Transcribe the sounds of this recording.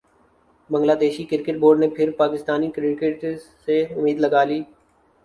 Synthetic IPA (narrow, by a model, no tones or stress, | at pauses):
bə̃ŋɡlaːd̪eːʃiːkɪɾkəʈ̚boːɾɖnẽːpʰɪɾpaːkɪst̪aːniːkɾeʈkeʈseʊmiːd̪ləɡaːliː